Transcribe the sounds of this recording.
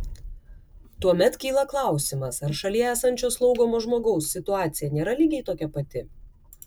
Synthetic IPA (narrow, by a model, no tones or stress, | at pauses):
t̪uɔmʲɛt̪kʲiːlˠɐklˠɑˑʊsʲɪmɐsɐɾʃɐlʲiɛæːsɐnʲt͡ʃʲoːslˠɒʊɡoːmoːʒmoːɡɒʊsːʲɪt̪ʊɑːt̪sʲɪjɛnʲeːɾɐlʲiːɡʲɛɪt̪oːkʲɛpɐt̪ʲɪ